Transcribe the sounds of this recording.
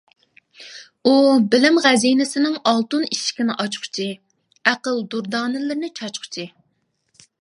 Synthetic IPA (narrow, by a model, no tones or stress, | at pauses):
ubɪlɪmʁæzijnɪsɪnɪŋɑlˠt̪uniʃi̥kʲinɪʔɑt͡ʃχʰʊ̥t͡ʃʰi | æqəlˠd̪uɾd̪ɑːnɪlɪɾnɪt͡ʃʰɑt͡ʃχʰʊ̥t͡ʃʰi